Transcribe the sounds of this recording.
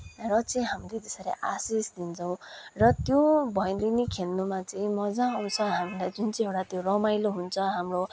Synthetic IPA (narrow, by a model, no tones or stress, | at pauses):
rʌt͡sʌĩɦamled̪esaɾḛʔasisd̪int͡sʰʌw̃rʌt̪jobʱʌjnlinikʰenːumat͡sʌĩmʌd͡zãːw̃t͡sʰʌɦamilajd͡zunt͡sĩewʈat̪joɾʌmajloɦunt͡sʰʌɦamro